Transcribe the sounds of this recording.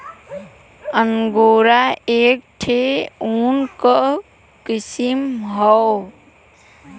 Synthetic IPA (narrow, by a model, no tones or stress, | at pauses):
əŋɡoːɾaeːk̚ʈʰeunkəʔ | kisimɦɔw